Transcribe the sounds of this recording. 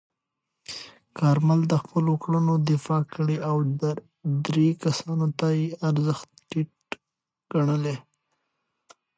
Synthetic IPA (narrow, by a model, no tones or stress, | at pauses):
kɑɾmald̪əxpəlokɽənod̪ɪfɑkəɽeaw | d̪ɾekasɑnot̪ajeaɾzəxt̪ʈiʈ̚ | ɡ̥aɳəle